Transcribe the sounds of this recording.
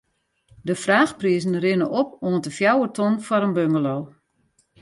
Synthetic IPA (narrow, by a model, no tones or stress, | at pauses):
dəfraːxpriəzn̩rɪnəʔopoəntəfjawətʰɔnfɔɾənbømɡəloː